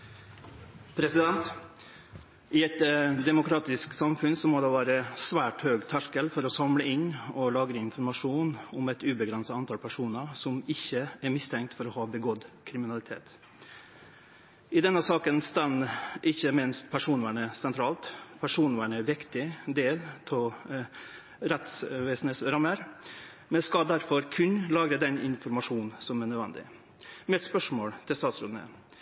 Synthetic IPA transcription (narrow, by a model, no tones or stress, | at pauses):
pʰɾɛsɪd̪ɛnt̪ | ʔɪɛt̪d̪ɛmʊkʰɾɑːt̪ɪsksɑmfʉnsɔmɔd̪ɛʋæːɾəsʋæːʈhøːɡt̪ʰæʂkəlfɔɾɔsɑmləɪnːɔlɑːɡɾəɪnfɔɾmɑʂuːnɔmɛt̪ʉːbəɡɾɛnsɑɑnt̪ɑːlpʰæʂuːnəsɔmɪçːəæɾmɪst̪ʰɛŋk̚t̪fɔɾɔhɑːbəɡɔd̪kʰɾɪmɪnɑlɪt̪ʰḛːt̪ | ɪd̪ɛnːəsɑːkənst̪ɑnəʔɪçːəmɪnst̪pʰæʂuːnʋæːɳəsɛnt̪ʰɾɑːlt̪pʰæʂuːnʋæːɳəʋɪkt̪ɪd̪eːlt̪ʰɔ | ɾɛt̪sʋeːsn̩əsɾɑməɾ | mɛnskɑd̪æɾfɔɾkʰʉnlɑːɡɾəd̪ɛnɪ̰nfɔɾmɑʂuːnsɔmæɳœd̪ʋɛnd̪ɪ̰ | mɛɛt̪spœʂmoːɽt̪ʰɪlst̪ɑːt̪sɾʉd̪nə̰